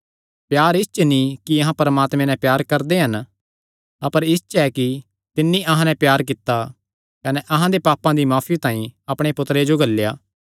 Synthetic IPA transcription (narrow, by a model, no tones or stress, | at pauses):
pjaːɾɪst͡ʃənĩkiɐɦãpɐɾmaːt̪mẽnɛ̃pjaːɾkɐɾd̪eɦɐn | ɐpəɾɪst͡ʃɛki | t̪ɪnːĩʔɐɦãnɛ̃pjaːɾk̬ɪt̪ːa | kɐnɛʔɐɦãd̪epaːpãd̪imaːfʰit̪ãːĩɐpɽ̃epʊt̪ɾed͡ʒoɡɐlːja̰ː